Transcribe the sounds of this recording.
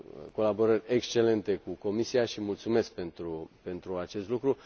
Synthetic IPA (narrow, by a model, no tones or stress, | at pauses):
ko̞labo̞ɾərʲekst͡ʃe̞le̞nt̪e̞kuko̞misiaʃimult̪sume̞sk̚pe̞nt̪ɾupe̞nt̪ɾuat͡ʃe̞st̪lukɾu